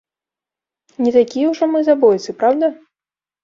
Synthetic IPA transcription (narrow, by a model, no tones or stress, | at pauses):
nʲit̪akʲijɛwʐɔmɨzabɔjʲt̪sʲɨpɾawd̪ɐ